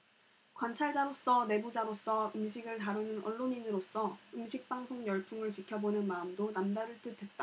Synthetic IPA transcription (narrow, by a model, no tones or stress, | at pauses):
kwant͡ɕʰaɭd͡ʑaɾos͈ʌne̞bud͡ʑaɾos͈ʰʌɯmɕʰiɡɯɭtaɾɯnɯnʌ̰ɭːoɲinɯɾos͈ʌɯmɕʰik̚p͈aŋsʰoŋjʌɭpʰuŋɯɭt͡ɕikʰjʌbonɯnmaɯmdonamdaɾɯɭt͈ɯtʰe̞t̚t͈a